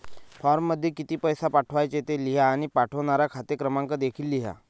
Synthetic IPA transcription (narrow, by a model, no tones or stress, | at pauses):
faɾmːəd̪ʱːjekit̪iːpəjsapaʈʰʋajt͡set̪eliɦaːɽ̃ipaʈʰəʋɳaɾakʰat̪ekɾəmãŋkəd̪ekʰiːlːiɦa̰